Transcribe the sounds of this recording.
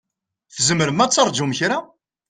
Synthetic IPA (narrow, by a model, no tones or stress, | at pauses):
θzəməɾəmæt͡sːəɾˤd͡ʒumçɾa